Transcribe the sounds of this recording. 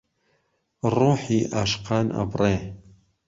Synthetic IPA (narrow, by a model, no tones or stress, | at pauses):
ruːħiːʔaʃqɑːnʔa̰breː